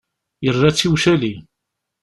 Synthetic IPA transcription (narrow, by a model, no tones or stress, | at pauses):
jərːat͡sːiwʃæli